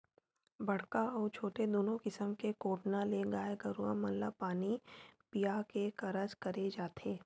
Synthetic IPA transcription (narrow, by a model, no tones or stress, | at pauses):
bɐɽ̤kaɔːɾt͡ʃʰoːʈed̪oːnõkɪsəmkekoːʈnaleɡaːeɡɐɾuã̰mɐnlapaːnipijakekɐɾəd͡ʒkɐɾed͡ʒaːt̪ʰeː